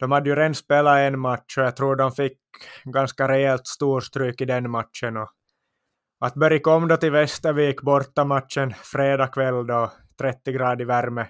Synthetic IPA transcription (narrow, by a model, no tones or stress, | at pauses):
d̪̥ɔmhad̪ːəjʉɾɛnd̪speːlaɛnmat̪ʂɔjɑt̪ʰɾuːɖɔmfɪk | ɡɑnskaɾɛɛlt̪st̪uːst̪ɾyːkɪd̪ɛnmat̪ʃənɔ | at̪bœɾjɪkɔmːd̪ɔt̪ɪlvɛst̪əɾʋiːkːbɔɾt̪ːamat̪ʃənfɾeːd̪ɑːkʰvɛlːd̪ɔ | t̪ʰɾɛt̪ːɪɡɾɑːd̪ɪvæɾmə